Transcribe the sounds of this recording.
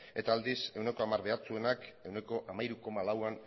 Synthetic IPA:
e̞t̪aːld̪ise̞wne̞ko̞amaɾβe̞at͡sue̞nake̞wne̞ko̞ʔamajɾuko̞malawan

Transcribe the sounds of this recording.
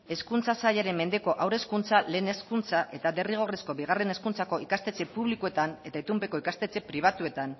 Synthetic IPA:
e̞skunt͡sasaʎaɾe̞mːe̞nd̪e̞ko̞ʔawɾe̞skunt͡sale̞ːne̞skunt͡saʔe̞t̪ade̞riɣ̞o̞resko̞βiɣ̞are̞ne̞skunt͡sako̞ikast̪e̞t͡se̞puβlikue̞t̪ane̞t̪ait̪umpe̞ko̞ikast̪et͡se̞pɾiβ̞at̪ue̞t̪an

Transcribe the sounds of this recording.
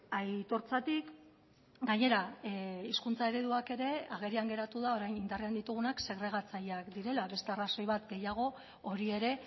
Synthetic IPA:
ajt̪o̞ɾt͡sat̪ik | ɡaɲe̞ɾaiskunt͡sae̞ɾe̞ðuake̞ɾe̞aɣ̞e̞ɾiaŋɡe̞ɾat̪uðao̞ɾajnind̪areand̪it̪uɣ̞unakse̞ɣ̞ɾe̞ɣ̞at͡sajakd̪iɾe̞laβe̞st̪e̞araso̞jβat̪ɡe̞jaɣ̞o̞ | oɾie̞ɾe̞

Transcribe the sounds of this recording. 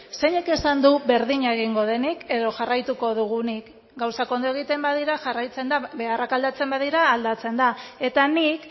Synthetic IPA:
se̞ɲe̞ke̞sand̪uβe̞ɾðiɲaeɣ̞iŋɡo̞ð̞e̞nike̞ðo̞ʝarajt̪uko̞ð̞uɣ̞unik | ɡawsako̞nd̪o̞e̞ɣ̞it̪e̞mbaðiɾaʝarajt͡se̞nd̪abe̞arakald̪at͡se̞mbaðiɾaːld̪at͡se̞nd̪ae̞t̪anik

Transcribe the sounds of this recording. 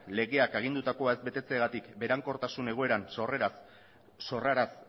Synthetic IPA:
le̞ɣe̞akeɣ̞ind̪ut̪ako̞ae̞zbe̞t̪e̞t͡seaɣat̪ikbe̞ɾaŋko̞ɾt̪asune̞ɣ̞o̞e̞ɾanso̞reɾas | so̞raɾas

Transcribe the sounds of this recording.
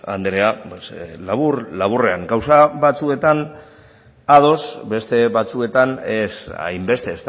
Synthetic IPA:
a̰nd̪eɾeapeslaβurlaβure̞aŋɡawsaβat͡sue̞t̪an | að̞o̞sbe̞st̪e̞βat͡sue̞t̪anesa̰jmbe̞st̪e̞ːst̪

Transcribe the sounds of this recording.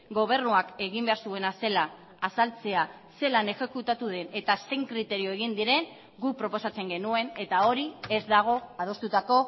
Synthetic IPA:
ɡo̞β̞e̞rnuake̞ɣimbe̞aɾsue̞nase̞laː | salt͡se̞a | se̞lane̞xe̞kut̪at̪uð̞e̞ne̞t̪ase̞ŋkɾit̪e̞ɾio̞e̞ɣind̪iɾe̞ŋ | ɡupɾo̞po̞sat͡se̞ŋɡe̞nue̞ne̞t̪ao̞ɾiezd̪aɣ̞o̞að̞o̞st̪ut̪ako̞

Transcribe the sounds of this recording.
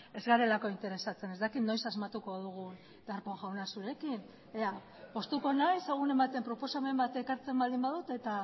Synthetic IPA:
e̞zɣaɾe̞lako̞int̪e̞ɾe̞sat͡se̞ne̞zd̪akit̪no̞jsazmat̪uko̞ð̞uɣ̞un | d̪aɾpoŋʝawnasuɾe̞kin | ea | po̞st̪uko̞najseɣ̞une̞mbat̪e̞mpɾo̞po̞same̞mbat̪e̞kaɾt͡se̞mbald̪imbaðut̪e̞t̪a

